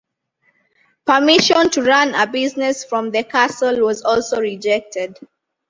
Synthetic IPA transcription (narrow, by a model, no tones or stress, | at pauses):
pəmiʃɔ̃ntuɹãnəbiznɛsfɹɔ̃mðəkʰasəlwɔzɔlˠsoɹid͡ʒɛk̚tʰɛd